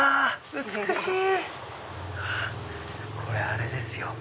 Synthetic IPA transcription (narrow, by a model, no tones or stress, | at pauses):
a | ɨt͡sɨkɯɕiː | a | kʰo̞ɾeaɾe̞d̪e̞sɨjo